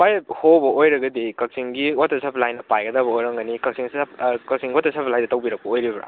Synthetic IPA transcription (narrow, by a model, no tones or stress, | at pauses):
pajhowbɐʔojɾɐɡɐdikɐk̚siŋɡiotɐsapʰlajnɐpajɡɐdabɐojɾɐŋɡɐnikɐk̚sʰiŋsapkɐk̚siŋɡotɐsapʰlajdɐtawbiɾɐk̚pɐojɾibɾa̰